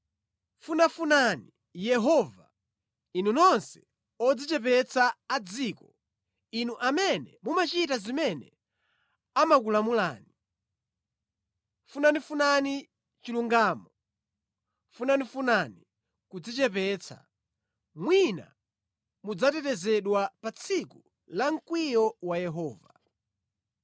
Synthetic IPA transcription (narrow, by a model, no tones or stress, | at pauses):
funafunani | jɛɦɔva | inunɔnsɛ̥ | ɔd͡zit͡ʃɛp̬ɛt͡sʰaːd͡ziːkɔ | inuʔamɛnɛmumat͡ʃitazimɛnɛ | amakulamula̰ːni | funanifunani | t͡ʃiluŋɡaːmɔ | funanifunani | kud͡zit͡ʃɛpɛt͡sʰa̰ | mwina̰ | mud͡zatɛtɛzɛɗwapat͡sʰiku | laŋ̩kwijɔwajɛɦɔːva